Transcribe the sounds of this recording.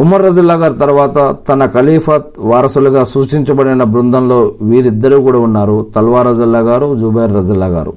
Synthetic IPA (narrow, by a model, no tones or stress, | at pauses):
umːɐɾːɐd͡ʒɐlːaːɡaːɾt̪ɐɾuʋaːt̪ɐt̪ɐnɐkɐliːfʰɐt̪̚ʋaːɾɐsuluɡaːsuːʃʈiɲt͡ʃɐbɐɽinɐbɾund̪ʱɐnlo̞ːʋiːɾid̪ːɐɾuːkuːɽaːunːaːɾut̪ɐlʋaːɾɐd͡ʒɐlːaːɡaːɾud͡ʒubɐjɾːɐd͡ʒɐlːaːɡa̰ːɾṵ